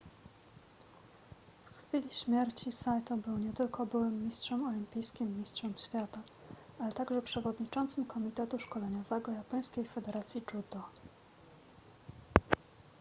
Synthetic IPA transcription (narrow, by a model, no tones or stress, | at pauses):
fxfʲilʲiɕmʲjɛɾt͡ɕisajt̪ɔbɘwɲɛt̪ɘlkɔbɘwɘmːʲistʂɛmɔlʲimʲpʲijskʲimːʲistʂɛmɕfʲjat̪a | alɛt̪aɡʐɛpʂɛvɔd̪ɲit͡ʂɔnt̪sɘmkɔmʲit̪ɛt̪uʂkɔlɛɲɔvɛɡɔjapɔj̃skʲejfɛd̪ɛɾat̪sʲjit͡ʂud̪ɔ